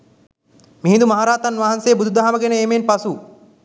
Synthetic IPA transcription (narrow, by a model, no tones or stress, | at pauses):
miɦĩnd̪umɐɦaɾaːt̪ɐnʋaɦansejːbud̪ʱud̪aɦaməɡenəeːmenpasu